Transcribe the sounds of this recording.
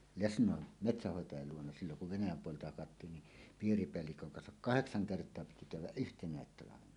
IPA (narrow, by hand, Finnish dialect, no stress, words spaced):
lesnˑoˑen metsæhːoˑetɑjɑl luonɑ silːoŋ kuʋ ʋenæjæm puoleltɑ hɑkɑtːiːn ni piːripeælːikøŋ kɑnsɑk kɑheksɑŋ kertˑoɑ piti kæywˑæʔ ʔyhtenˑæˑet tɑlɑʋenɑ